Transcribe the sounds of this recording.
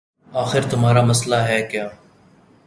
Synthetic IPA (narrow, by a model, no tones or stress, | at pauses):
aːxɪɾt̪ʊmɦaːɾaːməslaːɦɛːkjãː